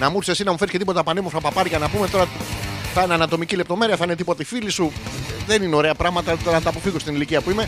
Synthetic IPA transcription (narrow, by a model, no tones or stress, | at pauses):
nɐmuɾisesinɐmufe̞ɾisce̞t̪ipot̪ɐpɐnemofɾɐpɐpɐɾikɐnɐpumet̪o̞ɾɐθɐineɐnɐt̪o̞micile̞p̚t̪o̞me̞ɾiɐθɐine̞t̪ipo̞t̪ɐifilisuðenineo̞ɾe̞ɐpɾɐɣmɐt̪ɐt̪oɾɐnɐt̪ɐːpo̞fiɣo̞st̪iniliciɐpuime̞